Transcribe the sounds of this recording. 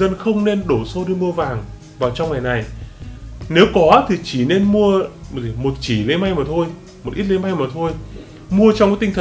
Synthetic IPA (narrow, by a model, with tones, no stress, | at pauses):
zə˧nxə˧wŋ͡mne˧nɗo˧˩so˧ɗi˧mu˧əvaː˨˩ŋ | vaː˨˩wt͡ɕɔ˧ŋ͡mŋa˨˩jna˨˩j | ne˨˦wkɔ˨˦t̪ʰi˨˩t͡ɕi˧˩ne˧nmu˧ə˨˩˨mo˨˩t̚t͡ɕi˧˩lə˨˦jma˧jmaː˨˩t̪ʰo˧j | mo˨˩t̚ʔi˦˥t̚lə˨˦jma˧jmaː˨˩t̪ʰo˧j | mu˧ət͡ɕɔ˧wŋ͡mkaː˨˦jt̪ï˧ŋ̟t̪ʰə˨˩